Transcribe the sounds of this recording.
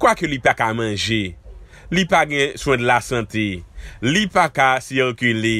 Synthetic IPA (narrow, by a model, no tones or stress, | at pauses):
kwakølipakamãʒe | lipaɡɛ̃sw̃ɛ̃dlasãtelipakasiʁkyle